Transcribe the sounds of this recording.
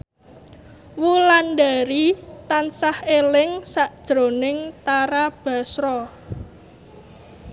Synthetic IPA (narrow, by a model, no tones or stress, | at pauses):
wulanɖaɾit̪ansahelɪŋsaʔd̥ʒ̥ɾo̤nɪŋt̪aɾab̥a̤sɾɔ